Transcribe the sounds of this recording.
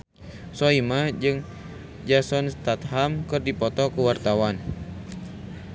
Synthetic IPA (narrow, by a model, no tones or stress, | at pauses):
sɔimad͡ʒɨŋ | d͡ʒasɔnst̪at̪hamkɨrdipɔt̪ɔkəwart̪awan